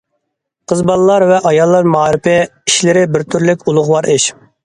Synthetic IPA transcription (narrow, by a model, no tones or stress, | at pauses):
qʰəzbɑlˠlːˠɑɾvɛʔɑjɑlˠːɑɾmɑːɾɪpɪiʃlɪɾɪbɪɾt̪ʰyɾlɪkʲulˠʊʁwɑɾʔɪʃ